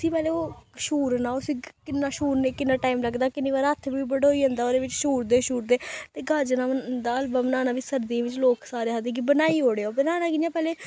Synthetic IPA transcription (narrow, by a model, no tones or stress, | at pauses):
sĩːpɛːleːoːʃuːɾnaːʊsĩːkɪnːaːʃuːɾneːkɪnːãːʈaːiːmləɡd̪aːkɪniːʋaːɾɦət̪ʰːʋiːbəɽoːiːɦə̃nd̪aːoːd̪eːʋɪt͡ʃʃuːɾd̪eːʃuːɾd̪eːt̪eːɡəd͡ʒnaːd̪aːəlbamnaːnãːʋisəɾd̪ĩːʋɪ̃t͡ʃloːksaːɾeːɦəd̪eːk̬ibənaːiːɦoːɽeːoːbənaːnãːkɪãːpɛːleː